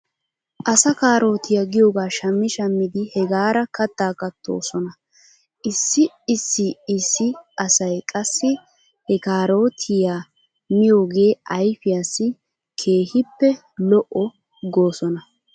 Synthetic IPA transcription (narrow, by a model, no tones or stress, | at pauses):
ʔɐsɐkaːɾo̞ːt̪ɪjaɡɪjoːɡaːʃɐmːɪʃɐmːɪd̪ɪhɛɡaːɾɐkɐt̪ːaːkɐt̪ʰːo̰ːsɔnɐ | ʔɪsːɪ | ɪsːɪɪsːɪʔɐsɐjkʼɐsːɪ | hɛkaːɾo̞ːt̪ʰɪjaː | mɪjo̞ːɡe̞ːʔɐjfɪjaːsɪ | kʰe̞ːhɪpːɛ | lɔʔɔ | ɡo̞ːsɔnɐ